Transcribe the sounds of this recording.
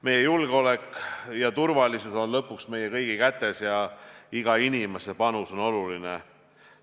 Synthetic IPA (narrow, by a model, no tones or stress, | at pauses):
me̞jːejulɡ̥eo̞le̞kːjɑt̪urvɑlisuso̞nlɤpːˑuksme̞jːekɤjɡ̥ikæt̪ːˑe̞sjɑiɡ̥ɑinʲime̞se̞pɑnuso̞no̞luline